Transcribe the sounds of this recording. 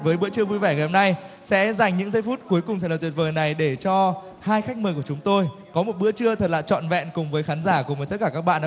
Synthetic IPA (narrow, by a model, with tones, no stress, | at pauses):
vəː˨˦jɓɨ̰˧˥ət͡ɕɨ˧əvu˧jvɛː˧˩ŋa˨˩hmna˧j | sɛ̰˧˥za˨˩jŋ̟ɲɨ̰˧˥ŋzə˧jfu˦˥t̚ku˨˦jkʊ˨˩ŋ͡m̪ʰt̪i˨˩t̚vəː˨˩jna˨˩jɗe˧˩t͡ɕɔ˧ | haː˧jxa˦˥jk̚məː˨˩ku˧˩ət͡ɕʊ˨˦ŋ͡mt̪o˧jkɔ˨˦mo˨˩t̚ɓɨ̰˧˥ət͡ɕɨ˧ət̪ʰə˨˩t̚laː˨˩t͡ɕɔ̰˧˨nvɛ̰˧˨nkʊ˨˩ŋ͡mvəː˨˦jxaː˨˦nzaː˧˩ku˨˩ŋ͡mvə˨˩t̪̚kaː˧˩kaː˦˥k̚ɓa̰ː˧˨nː˧